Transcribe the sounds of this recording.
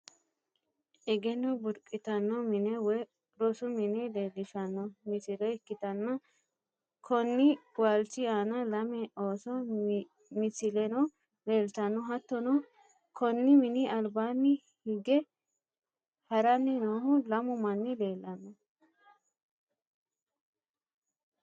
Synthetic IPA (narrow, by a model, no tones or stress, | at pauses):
ʔɛɡɛnɔbʊɾkʼɪt̪ɐnːɔmɪnɛwɔ | ɾɔsʊmɪnɛleːlːɪʃɐnːɔmɪsɪlɛɪkːɪt̪ɐnːɐ | kʰɔnːɪwaːlt͡ʃɪaːnɐlɐmɛoːsɔ | mɪsɪlɛnɔ | leːlt̪ɐnːɔɦɐt̪ːɔnɔ | kʰɔnːɪmɪnɪɐlbaːnːɪ | hɪɡɛ | hɐɾɐnːɪnoːhʊlɐmʊmɐnːɪleːlːɐnːɔ